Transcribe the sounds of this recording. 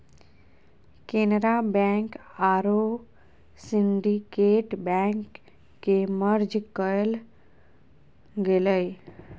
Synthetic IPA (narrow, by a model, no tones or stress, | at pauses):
keːnɾabɛ̃ŋkaɾo | siɳɖikeːʈbɛ̃kː | eməɾd͡ʒkəl | ɡeləj